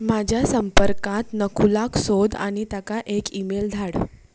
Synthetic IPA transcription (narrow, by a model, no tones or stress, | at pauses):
mad͡ʑʱjasəmpəɾkat̪nəkʰulaksod̪a̰ɽ̃it̪akaʔekimeld̪ʱaɽ